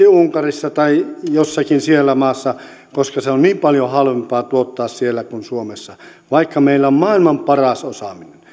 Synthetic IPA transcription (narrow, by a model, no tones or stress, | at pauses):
iuuŋkɑrisːɑt̪ɑijosːɑkinsielːæmɑːsːɑ | koskɑseonniːmpɑljohɑlʋempɑːt̪uot̪ːɑːssielːækunsuomesːɑ | ʋɑikːɑmeilːæommɑːilmɑmpɑrɑsosɑminen